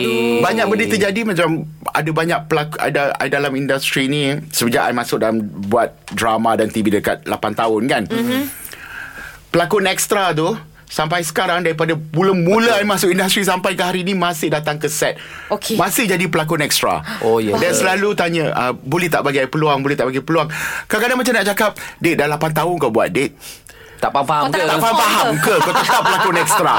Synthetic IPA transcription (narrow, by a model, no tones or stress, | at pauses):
baɲak̚bədit̪əd͡ʒadimãt͡ʃama̰dabaɲak̚pəlaka̰daa̰jdalamindast̪ɾinĩsəbəd͡ʒaʔa̰jmãsʊk̚dalambuat̪̚dɾamãdant̪ibidəka̰t̪̚la̰pant̪aʊnkan | pəlakʊnɛk̚st̪ɾat̪̬u | sampajsə̥kaɾaŋdaɾipadabuləmulamasʊkindast̪ɾis̬ampajkəɦaɾiːnĩmãsɪhdat̪aŋkəsɛt̪̚ | okemãsɪhd͡ʒadipəlak̬ʊnɛkst̪ɾa̰ojdɛnsəlalut̪aɲaʔəbolɛht̪a̰ʔbaɡajpəluaŋbolɛht̪aʔbaɡajpəluaŋkalkadaŋmat͡ʃamnaʔt͡ʃakap̚det̪̚dalapant̪̬aʊnkawbua̰t̪̚det̪̚ | t̪a̰ʔpaɦat̪aʔpaampaɦamkəkot̪ət̪apːəlakʊnɛkst̪ɾa